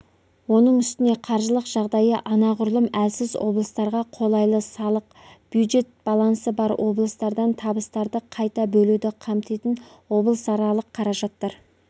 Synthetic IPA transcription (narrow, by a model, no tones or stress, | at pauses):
wo̞nəɴʏst̪ɪne̞qʰɑɾʒəlˠəqʒ̥ɑʁd̪ɑjəʔɑnɑʁʊɾlˠəmælsɪzwo̞̰blˠəst̪ɑɾʁɑqʰo̞lˠɑjlˠəsɑlˠəq̚ | b̥jud̪ʒe̞t̪̚b̥ɑlˠɑnsəbɑɾwʔo̞blˠəst̪ɑɾd̪ɑnt̪ʰɑbəst̪ɑɾd̪əqʰɑjt̪ɑbɵlud̪ɪqʰɑmt̪ijt̪ɪn | wo̞blˠəsɑɾɑlˠəqʰːɑɾɑʒɑt̪ːɑɾ